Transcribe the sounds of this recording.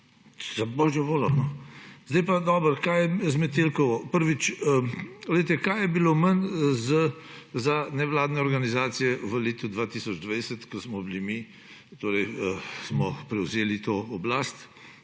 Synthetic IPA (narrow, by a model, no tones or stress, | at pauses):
zabɔʒjɔʋoːlɔnɔzd̪ɛjpad̪ɔbəɾkajɛzmɛt̪ilkɔʋɔpəɾʋit͡ʃələjt̪ɛkajɛbilomənzəzanɛʋlaːd̪nɛɔɾɡanizaːt̪sijɛʋəleːt̪ud̪ʋat̪isɔd͡ʒd̪ʋajsɛt̪kɔsmɔbilimi | t̪oːɾɛjəsmɔpɾɛwzeːlit̪oɔblast̪